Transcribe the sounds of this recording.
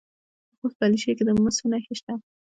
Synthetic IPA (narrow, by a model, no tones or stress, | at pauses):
xospaliʃeked̪əməsonaxeʃt̪a